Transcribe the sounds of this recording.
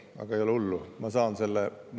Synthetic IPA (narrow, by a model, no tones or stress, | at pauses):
ɑ̰ɡ̥ɑejo̞leulːumɑsɑːnselːem